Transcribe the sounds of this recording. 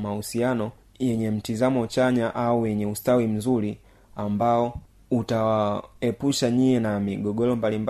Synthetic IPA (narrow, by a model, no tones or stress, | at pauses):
mausianɔ | jɛɲɛm̩tizamɔt͡ʃaɲaʔaujɛɲɛustawim̩zuli | ambaɔ | utawaɛpuʃaɲiɛnamiɡɔɡɔlɔmbalimb